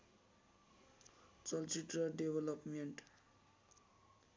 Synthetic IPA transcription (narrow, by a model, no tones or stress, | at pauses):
t͡sʌlt͡siʈrʌɖebʱʌlʌpmeɳʈ